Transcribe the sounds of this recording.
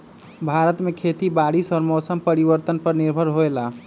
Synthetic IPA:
bʱaɾət̪mekʰet̪ibaɽisəɾmosəmpəɾiʋəɾt̪ənpəɾniɾbʱəɾɦoela

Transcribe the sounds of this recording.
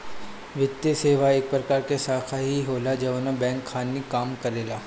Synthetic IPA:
ʋɪt̪ːjeseːʋaeːk̚pɾɐkaːɾkesaːkʰaɦiɦoːlad͡ʒɐʋənabɛ̃ːŋkʰːaːnːikaːmkɐɾeːlaː

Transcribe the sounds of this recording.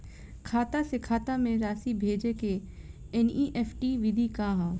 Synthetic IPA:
kʰaːt̪asɪkʰaːt̪amẽɾaːsibʱeːd͡ʒeke | ɛniːʔɛːfʈiʋɪd̪ʱikãɦãː

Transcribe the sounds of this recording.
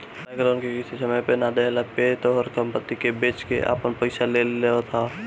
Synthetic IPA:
aɡəɾonkekɪsisəməjpenad̪elapeːt̪oɦəɾkəmpət̪ːikebeːt͡ʃkḛʔa̰ːpənpəɪsaleeot̪ʰa

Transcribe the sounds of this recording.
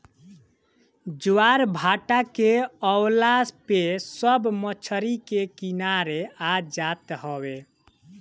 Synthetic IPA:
d͡ʒwaɾbʱaʈakeəwlaspesəbmət͡ʃʰəɾikekinaɾead͡ʒat̪ɦɔwe

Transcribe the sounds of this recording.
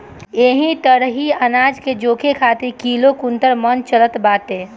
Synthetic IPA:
eːɦĩʈ̪əɾɦiənaːd͡ʒked͡ʒoːkʰekʰaːt̪ikiːlokunt̪əɾmənt͡ʃələt̪baːt̪eː

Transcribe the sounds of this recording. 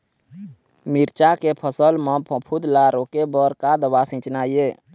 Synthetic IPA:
miɾt͡ʃakepʰəsəlmɔpʰə̃pʰud̪laɾokebəɾkad̪əbasĩt͡ʃnaje

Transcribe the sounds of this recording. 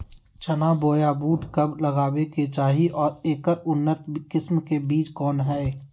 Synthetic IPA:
t͡ʃənaːboːjabuːʈkɐbləɡaːweket͡ʃaːɦiʔɔːɾeːkəɾʊnːət̪kɪsmkebiːt͡ʃkɔːnɦɛː

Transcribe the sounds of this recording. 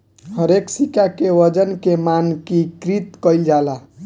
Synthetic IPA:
həɾeksikakeʋəd͡ʒənkemankikɾit̪kəjld͡ʒala

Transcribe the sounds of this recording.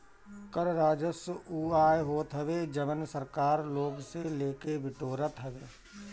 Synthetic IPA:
kəɾɾaːd͡ʒəsuːaːeɦoːt̪ɦəʋed͡ʒəʋənsəɾkaːɾloːɡseleːkebɪʈoːɾət̪ɦəʋeː

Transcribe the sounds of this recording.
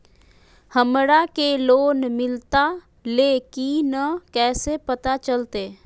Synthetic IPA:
həmɾakeloːnmɪlt̪a | leːkinəkɛːsepət̪at͡ʃəlt̪eː

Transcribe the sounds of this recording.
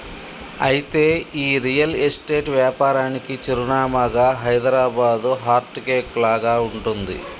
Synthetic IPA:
ɐjit̪e̞ːiːɾijɐlesʈeːʈʋjaːpaːɾaːnikit͡ʃiɾunaːmaɡaːɦɐjd̪ɾaːbaːd̪uɦaːɾʈkeːklaːɡaːuɳʈund̪ḭ

